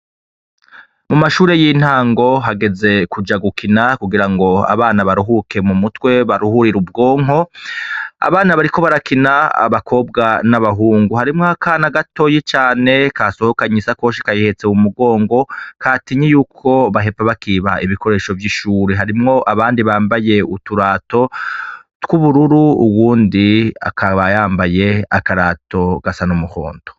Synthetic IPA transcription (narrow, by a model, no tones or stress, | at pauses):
mumaʃuːɾe̞jin̥haːŋɡo̞ɦaɡe̞ze̞kud͡ʒaɡukʰinakuɡiɾaŋɡo̞a̰βaːnaβaɾuɦuke̞mumutwe̞βaɾuhuɾiɾub̚ɡo̞ːŋ̥ɦo̞ | a̰βaːnaβaɾiko̞βaɾakinaa̰βakʰo̞b̚ɡanaβaɦuːŋɡuhaɾimŋakaːnaɡato̞jit͡ʃaːne̞kaso̞hokaɲesakoːʃi̥kajihet͡seumuɡo̞ːŋɡo̞kaːtiɲijuːkʰo̞βaɦe̞paβakiːβaiβiko̞ɾe̞ːʃo̞vjiʃuːɾeɦaɾimŋo̞ʔaβaːndiβaːmbaje̞utuɾaːto̞ | tkuβuɾuɾuuwuːndia̰kʰaβajaːmbaje̞akaɾaːto̞ɡ̥asanumuho̞̰ːndo̥